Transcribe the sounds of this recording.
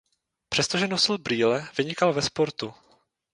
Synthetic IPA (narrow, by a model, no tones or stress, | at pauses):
pr̝̥ɛst̪o̞ʒɛnosɪlbɾiːlɛvɪɲɪkalvɛspo̞ɾt̪u